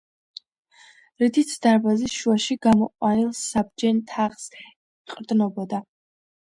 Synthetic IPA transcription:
ɾid̪it̪sʰd̪̥aɾbazisʃuaʃiɡamɔqʼwanilˠssab̚d͡ʒɛnt̪ʰaʁs | qʼɾd̪nɔbɔd̪a

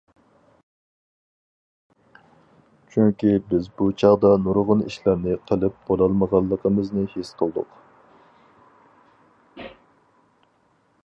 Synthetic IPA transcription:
t͡ʃʰyŋkʲibɪzbut͡ʃʰɑʁd̪ɑnuɾʁʊniʃlæɾnɪqʰəlˠɨp̚b̥olˠɑlˠməʁɑlˠːəqʰəmɨznɨhesqʰəlˠd̪ʊ̰q

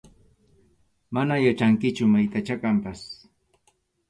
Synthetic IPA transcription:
manajat͡ʃaŋkɪt͡ʃʊmajt̪at͡ʃakampas

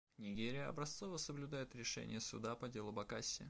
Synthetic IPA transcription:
nʲɪɡʲeɾʲɪjəɐ̰bɾɐst̪sovəsəblʲʊd̪ajɪt̪ɾʲɪʂɛ̰nʲɪ̰jəsʊ̰d̪apɐdʲe̞lˠʊbɐkasʲːɪ

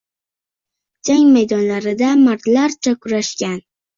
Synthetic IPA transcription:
d͡ʒaŋʲmajd̪ɒnlaɾɪd̪amaɾt̪laɾt͡ʃʰakʰʊɾaʃkʲan

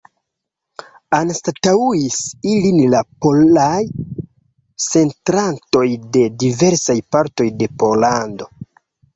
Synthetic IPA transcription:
anstatauisilinlapo̞laj | se̞ntɾanto̞jde̞dive̞ɾsajpaɾto̞jde̞po̞lando̞

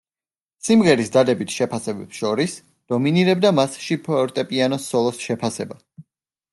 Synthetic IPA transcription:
simʁɛɾisd̪ad̪ɛbit̪ʰʃɛpʰasɛbɛpsʃɔɾis | d̪̥ɔminiɾɛb̚d̪amasʃipʰɔɾt̪ʼɛpʼianɔsɔlˠɔsʃɛpʰasɛba

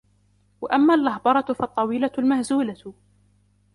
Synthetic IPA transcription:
wa̰ʔamːaːlʔahbɑɾˤɑtfɑt̪ˤːɑwiːlalmahzuːla

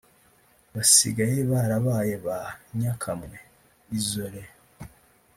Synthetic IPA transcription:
βasḭɡajeβaɾaβaːjeβaɲakʰamŋe | izoɾe

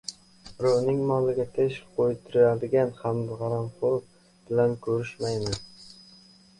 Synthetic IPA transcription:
ɾonɪŋmɒlɪɡʲat̪ʰeʃqʰojt̪ʰʊɾɪad̪ɪɡʲanhamd̪ʁɑɾamfoɾ | b̥ɪlankʰɵɾɪʃmajmɪn

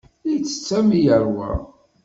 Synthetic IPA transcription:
it͡sːə̥t͡sːæmijəɾwə̰

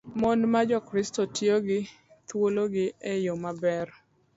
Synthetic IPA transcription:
mɔnmad͡ʒɔkɾɪstotjoɡɪ | t̪woloɡɪɛjomabɛr

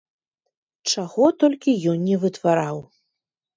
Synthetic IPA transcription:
t͡ʂaɣɔt̪ɔlʲkʲijɔnnʲɛvɨt̪vaɾaw

